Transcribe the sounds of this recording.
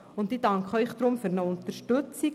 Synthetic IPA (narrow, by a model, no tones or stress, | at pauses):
ʊntidɑŋkχəœʏχd̥̪ɾʊmfyɾnəʊntəɾʃtɵt͡si